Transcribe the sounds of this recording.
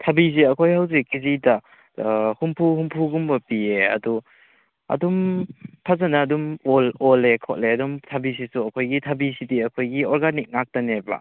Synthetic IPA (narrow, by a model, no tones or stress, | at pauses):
tʰabis̬iɐkʰojhawzikizida | humpʰuhumpʰuɡumbɐpieɐ̰du | ɐ̰dumpʰazanɐːdumolɔlekʰɔʔ̚leɐdumtʰabis̬isuɐkʰojɡitʰabisidiɐkʰojɡiɔɾɡanik̚nak̚taneba̰